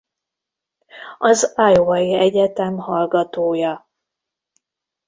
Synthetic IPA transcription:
ɒzajovɒjiɛɟɛt̪ɛmhɒlɡɒt̪oːjɒ

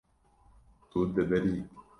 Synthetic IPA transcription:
t̪uːd̪ːebeɾii

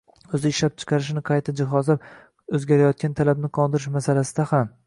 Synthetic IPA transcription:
ɵzɪːʃlap̚t͡ʃʰɨ̥qʰɑɾɪʃnɪqʰɑjt̪ʰad͡ʒɪɦɒzlap̚ | ɵzɡʲaɾajɒt̪̚kʲant̪ʰalabnɪqʰɒnd̪ɪɾɪʃmasalasɪd̪aham

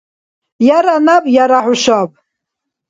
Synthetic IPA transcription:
jaɾanabjaɾaħʊʃab

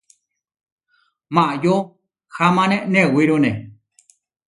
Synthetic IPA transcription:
mãʔjo | hamãnẽʔnẽwiɾõnḛ̃

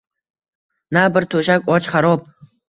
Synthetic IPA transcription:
nabɨrt̪ʰoʒakʷʼɔt͡ʃʰχaɾɔp̚ʰʼ

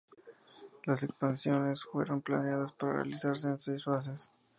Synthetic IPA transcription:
las̬e̞kspansjo̞ne̞sfwe̞ɾo̞mpla̰neaðaspaɾarḛa̰lisaɾs̬e̞ːnsejsfas̬es

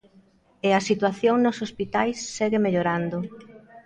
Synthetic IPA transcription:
ɪɐsit̪waθjoŋnosospit̪ajsːɛɣɪmeʎoɾand̪o

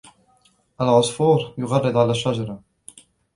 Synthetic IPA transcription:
ʔalʕʊsfuːɾjʊɣɑrˤːɨd̪ˤʕalaːʃːad͡ʒɑɾˤɑ

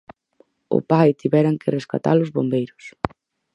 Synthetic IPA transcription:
ʊ̰pajt̪iβɛɾaŋkʰɪreska̰t̪a̰lʊzβombejɾʊs

